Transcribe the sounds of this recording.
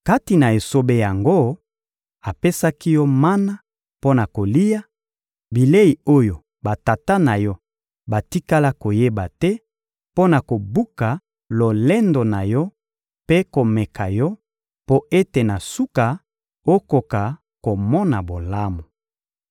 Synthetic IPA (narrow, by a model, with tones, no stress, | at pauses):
ka˦ti˨na˨e˨so˦be˦ja˨ŋɡo˦ | a˨pe˦sa˦ki˦jɔ˦ma˦na˦ | po˦na˨ko˨li˦ja˦ | bi˨le˦ji˨o˦jo˨ | ba˨ta˨ta˦na˨jɔ˦ | ba˨ti˦ka˦la˦ko˨je˦ba˨tɛ˦ | po˦na˨ko˨bu˦ka˨ | lo˨lɛ˦ndo˨na˨jɔ˦ | pe˦ko˨mɛ˨kʰa˨jɔ˦ | po˦e˦te˨na˨su˦ka˨ | o˦ko˨ka˨ | ko˨mɔ˦na˨bo˨la˦mo˨